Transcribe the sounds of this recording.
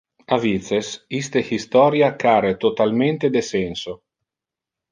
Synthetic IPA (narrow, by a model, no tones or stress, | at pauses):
avit̪sesist̪ehist̪ɔːɾjakaɾet̪ot̪alment̪ed̪esɛnso